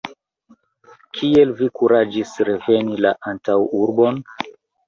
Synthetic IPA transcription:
kʰie̞lvikuɾad͡ʒisɾe̞ve̞nilaʔantawuɾbo̞n

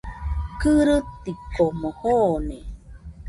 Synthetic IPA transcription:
kɨɾɨt̪ːikoməhone

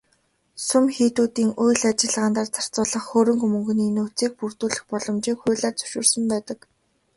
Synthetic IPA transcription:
sʊmxiːt̪uːt̪iːŋujɮat͡ɕɪ̆ɮʁaːnt̪aːrt͡sʰar̥t͡sʊːɮə̆χxoːɾɵ̆ŋɡɵmɵŋɡɵ̆niːnuːt͡siːk̚purt̪uːɮɘ̆xpɔɮɞ̆mt͡ɕiːkxʊːɮaːrt͡sɵ̥ʃʊ̰ːrsə̆mpæːt̪ə̆k

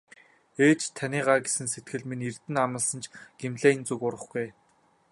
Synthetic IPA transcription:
eːt͡ɕt̪ʰanʲiːɢaːɡesɘ̆nset̪̚ɡɘ̆ɮminirt̪ɘ̆namə̆ɮsə̆nt͡ɕɡ̥emɮeːnt͡sukʊɾə̆χɡuj

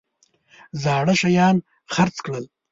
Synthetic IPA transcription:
zɑːɽaʃajɑːn | xaɾt͡skɽəl

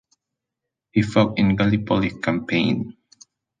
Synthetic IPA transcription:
hifɔkɪ̃nɡalipʰɔlikʰãmpʰẽɪ̃n

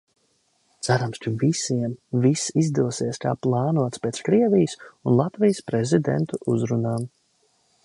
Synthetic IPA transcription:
t̪sæɾamskavisiɛmvisizd̪uɔsiɛskaːplˠɑːnuɔt̪spʲeːt̪skɾiɛvijsunlˠat̪vijəspɾɛzid̪ḛnt̪uʔuzɾunaːm

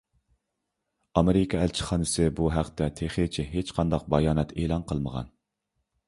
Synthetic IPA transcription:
ɑmeɾɪkʰɑælt͡ʃʰɪ̥χɑːnɨsɨbuɦæqt̪ɛt̪ʰeχet͡ʃʰɪɦet͡ʃqʰɑnd̪ɑq̚bɑjɑːnɛt̪ʰeːlˠɑnqʰəlˠməʁɑ̰n

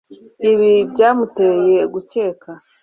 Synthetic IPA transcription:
iβibɟaːmuteje̞ɡut͡ʃe̞ːka

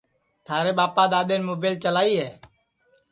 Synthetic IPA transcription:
t̪ʰaːɾeːɓaːpaːɗ̪aːɗ̪eːnmoːbeːlt͡ʃəlaːiːɦɛː

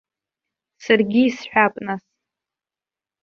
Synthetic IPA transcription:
sarɡʲiːsħʷᶣapʼnas

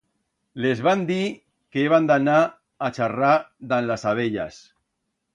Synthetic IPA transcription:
lezβand̪i | keeβand̪anaː | t͡ʃarad̪anlasaβ̞eʎa̰s

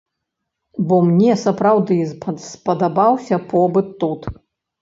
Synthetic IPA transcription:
bɔmnʲɛsɐpɾawd̪ɨspɐd̪abawsʲɐpʰɔbɨt̪ːut̪

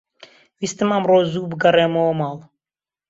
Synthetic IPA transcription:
wiːst̪ɨmamroːzuːbɨɡɐreːmowmɑːlˠ

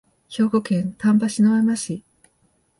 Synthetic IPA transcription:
çʲo̞ːɡo̞kẽ̞nt̪ãmbaɕinomamaɕi

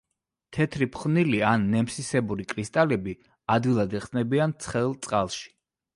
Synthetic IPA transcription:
t̪ʰɛt̪ʰɾipʰχvnilianːɛmsisɛbuɾikʼɾist̪ʼalɛbi | ad̪ɡilˠad̪ɛχsnɛbiant̪sʰχɛlˠt̪sʼqʼalˠʃi̥

